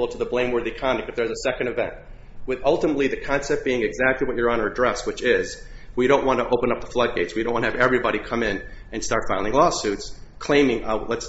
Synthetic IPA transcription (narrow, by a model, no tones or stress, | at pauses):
l̩ˠtʰəðəblẽɪ̃mwɜ˞ðikʰɑ̃ndɨk̚tɨfðə˞zɨsɛkɨ̃ndɨvɛ̰̃nt̚ | wɨðʌlˠtəmətˡliðɨkʰɑ̃nsɛp̚b̥iɪ̃ŋɨɡzæk̚tˡliwʌt͡ʃə˞ə̃nə˞dɹɛswɨt͡ʃɪz | wiɾõʊ̃nʔwɑ̃ntəʔoʊpə̃nʌp̚ðəflʌd̚ɡeɪtswiõʊ̃nwɑ̃nɨvɛvɹibɑɾikʰʌ̃mɪ̃n | ɨ̃nstɑɹtfaɪlˠɪ̃ŋlɔsʉtskʰl̥ẽɪ̃mɪ̃ŋlɛts